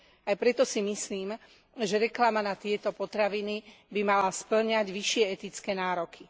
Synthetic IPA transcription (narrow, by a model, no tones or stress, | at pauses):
ajpɾɛt̪ɔsimisliːm | ʒɛɾɛklamanat̪ɪɛt̪ɔpɔt̪ɾaʋinibimalaspl̩ɲaɟʋiʃɪɛɛt̪it͡skɛːnaːɾɔkʰi